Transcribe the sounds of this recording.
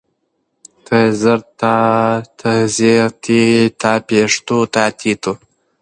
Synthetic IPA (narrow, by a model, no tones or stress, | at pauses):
t̪ʰəzəɾt̪at̪ʰəzeɾt̪ʰit̪aːpeʂt̪ot̪aːt̪ʰit̪u